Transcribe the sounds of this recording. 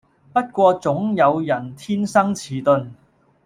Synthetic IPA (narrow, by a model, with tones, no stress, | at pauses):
pɐ˥t̚kʷɔː˧t͡sʊ˨˥ŋjɐ˨˧wjɐ˨˩nt̪ʰiː˥nsɐ˥ŋt͡sʰiː˨˩t̪ɵ˨˧n